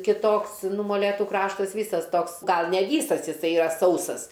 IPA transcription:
kʲɪˈtoːks ˈnʊ moːˈlʲeːtʊ ˈkrɑːʃtɐs ˈʋʲiːsɐs ˈtoːks ˈɡɐlˠ nʲɛ ˈʋʲiːsɐs jɪˈsɐɪ ɪˈrɐ ˈsɐʊsɐs

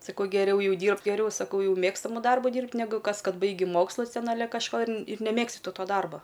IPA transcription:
sɐˈkɐʊ ɡʲɛˈrʲɛʊ ˈjɛʊ ˈdʲiːrʲpʲtʲ ɡʲɛˈrʲɛʊ sɐˈkɐʊ ˈjɛʊ ˈmʲeːkstɐmʊ ˈdɐrbʊ ˈdʲiːrʲpʲtʲ nʲɛˈɡʊ ˈkɐs ˈkɐt ˈbɐɪɡʲɪ ˈmoːkslˠʊs ˈtʲɛn ɐˈlʲɛ kɐʃˈkoː ɪr n ɪr nʲɛˈmʲeːksʲtʲɪ ˈtʊ ˈtoː ˈdɐrbɐ

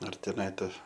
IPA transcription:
ɐr tʲɛˈnɐɪ ˈtɐ

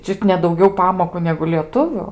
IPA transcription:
ˈt͡ʃʲʊt nʲɛ dɐʊˈɡʲɛʊ ˈpɑːmoːkʊ nʲɛɡʊ lʲiɛˈtʊʋʲʊ

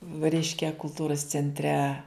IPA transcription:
ʋɐ ˈrʲɛɪʃʲkʲɛ kʊlˠˈtuːroːs t͡sʲɛnʲtʲˈrʲɛ

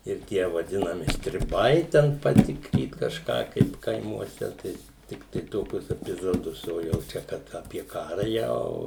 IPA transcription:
ɪr ˈtʲiɛ ʋɐˈdʲɪnɐmʲɪ sʲtʲrʲɪˈbɐɪ tʲɛn pɐˈtʲɪkrʲiːt kɐʃˈkɑː kɐɪp kɐɪmuɔˈsʲɛ ˈtɐɪ ˈtʲɪktɐɪ ˈtoːkʲʊs ɛpʲɪˈzoːdʊs oː jɛʊ ˈt͡ʃʲɛ kɐt ˈɑːpʲiɛ ˈkɑːrɐ ˈjɛʊ

